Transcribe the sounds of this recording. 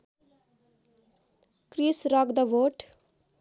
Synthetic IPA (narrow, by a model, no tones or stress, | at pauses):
krisrʌɡd̪ʌʋoʈ